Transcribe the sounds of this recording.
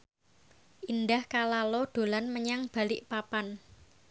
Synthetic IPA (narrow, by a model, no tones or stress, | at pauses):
ʔindahkalaloɖ̪̥o̤lanməɲaŋb̥a̤lɪʔpapan